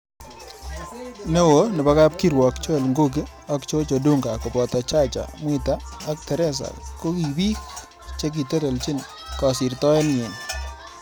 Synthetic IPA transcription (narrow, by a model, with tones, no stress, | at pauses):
ne˦wo˨˦nɪ˨ba˦ka˦p̚ki˦ɾwɔ˨kt͡ʃɔ˦˨lŋɡo˦k̬ɪ˦ | a˦kt͡ʃo˦t͡ʃo˨du˦ŋɡa˨kɔ˨pɔ˨ta˨t͡ʃa˦t͡ʃa̰˨mwɪ˦taː˦k̚tɛ˨ɾɛ˦s̬a̰˨kko˦ki˨bi˦k | t͡ʃe˦k̬i˨te˦ɾɛ˨lt͡ʃi˦n | kɔ˨sɪ˨ɾtɔ˦ɪ˦nje˨n